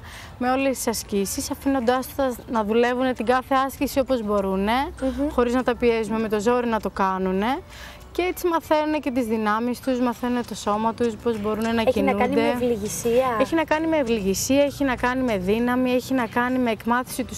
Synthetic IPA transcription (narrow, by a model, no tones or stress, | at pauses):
me̞o̞lest̪i̥sɐscisisɐfino̞nd̪ɐst̪ɐnɐðule̞vune̞t̪iɡɐθe̞ɐscisio̞po̞zbo̞ɾune̞xo̞ɾiznɐt̪ɐpie̞zume̞me̞t̪o̞zo̞ɾinɐt̪o̞kɐnune̞ | ceet͡simɐθe̞nune̞ce̞t̪izðinɐmist̪uzmɐθe̞nune̞t̪o̞so̞mɐt̪uspo̞zbo̞ɾune̞nɐinnuɐnd̪evliʝisiɐeçinɐkɐnime̞ːvliʝisiɐeçinɐkɐnime̞ðinɐmie̞çinɐkɐnime̞ːkmɐθi̥sit̪us